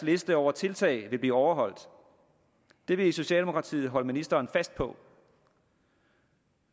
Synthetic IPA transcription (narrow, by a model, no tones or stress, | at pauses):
sle̝sd̥əɒʊ̰ɐt͡sʰe̝lt͡sʰɛ̰ːɪʋe̝b̥lḭːɒʊɐɦɒ̽l̰d̥ | d̥e̝ʋe̝iso̝ɕɛ̰ːldemo̝kʰʁɑ̈t͡sʰḭːð̩ˠɦɒ̽ləminisd̥ɐːnfæsd̥̚pʰɒ̽